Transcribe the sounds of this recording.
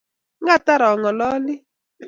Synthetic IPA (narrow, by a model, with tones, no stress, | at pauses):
ŋɡa˦˨ta˦ɾɔ˨ŋɔ˨lɔ˦lɪ˦